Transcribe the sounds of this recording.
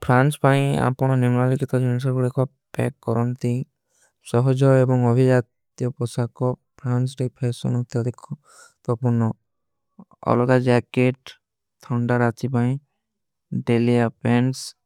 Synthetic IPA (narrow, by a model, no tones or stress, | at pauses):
pʰɾanspaĩa̰pɔɽ̃ɔnuŋalikit̪ad͡ʒunis̬ɔɾbuɾekʰa | pɛ̰kːɔɾɔnt̪i | sɔɦɔd͡ʒɔebɔŋɔbʱid͡ʒat̪ | jɔpɔsakɔpʰɾansɾipʰeɾsɔ̰nɔt̪ɔd̪ekʰɔ | t̪ɔpunɔ | ɔ̰lɔɡad͡ʒakeʈ | t̪ʰaɳɖaɾat̪ipaĩ | ɖelijapens